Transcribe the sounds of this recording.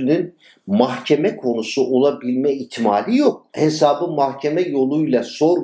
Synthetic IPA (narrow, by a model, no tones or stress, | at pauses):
nyn | mahcʰemɛkʰo̞nusuʔolˠabilʲmɛit̪ʰmaːlʲijo̞k̚he̞saːbɯmahcʰemɛjo̞lˠujlˠaso̞ɾ